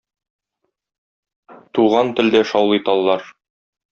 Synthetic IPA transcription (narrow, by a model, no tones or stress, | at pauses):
t̪uʁɑnt̪ɘ̆ld̪æʃɒwlˠɤt̪ɑlˠːɑɾ